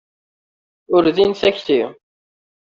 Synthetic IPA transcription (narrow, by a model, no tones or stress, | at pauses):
ʊɾðinsæçθi